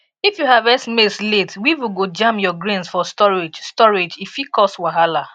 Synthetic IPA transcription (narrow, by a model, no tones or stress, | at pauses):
ifjuɦavɛsmesletwiwiɡod͡ʒãmjɔɡɹĩnsfɔstɔɹed͡ʒstɔɹed͡ʒifikɔswaɦala